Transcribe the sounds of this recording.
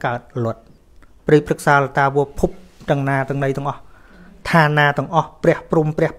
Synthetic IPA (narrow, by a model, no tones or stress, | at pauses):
kaət̪̚lŏət̪̚ | priːprɨk̚saːlət̪aːʋɨəpʰup̚ɗ̪əŋnaːt̪ɨ̆əŋɗəjt̪ɛ̆əŋʔɑh | t̪ʰaːnaːt̪ɨ̆əŋʔɑhprɛ̆əhprumprɛ̆əh